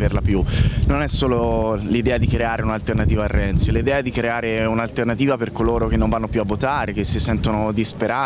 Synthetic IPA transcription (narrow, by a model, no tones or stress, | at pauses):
verlapjunonɛsːoːlolid̪ɛːad̪ikɾeaːɾeunalt̪ernat̪iːvaːrːɛnt̪silid̪ɛːaɛd̪ikɾeaːɾeunalt̪ernat̪iːvaperkoloːɾokenːõɱvanːopjuavːot̪aːɾek̟esːisɛnt̪onod̪ispeɾaː